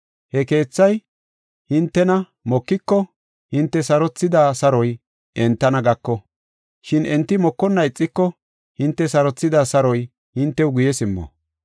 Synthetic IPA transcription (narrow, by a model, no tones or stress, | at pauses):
hɛke̞ːt͡sːɐj | hɪnt̪ːɛnɐ | mɔkːɪkːɔ | hɪnt̪ːɛsɐɾɔt͡sːɪd̪aːsɐɾɔj | ʔɛnt̪ːɐnɐɡɐkːɔ | ʃɪnɛnt̪ːɪmɔkːɔnːɐɪt͡sʼːɪkːɔ | hɪnt̪ːɛsɐɾɔt͡sːɪd̪aːsɐɾɔj | hɪnt̪ːɛwʊɡʊjɛsɪmːɔ̰